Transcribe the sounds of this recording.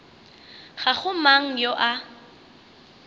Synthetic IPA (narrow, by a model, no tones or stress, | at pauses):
χaχʊmaŋ̩joʔa